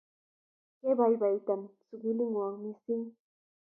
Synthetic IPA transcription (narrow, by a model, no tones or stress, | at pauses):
ɢebajbajt̪amsʊɢɪlɪŋwaŋmɪsɪŋ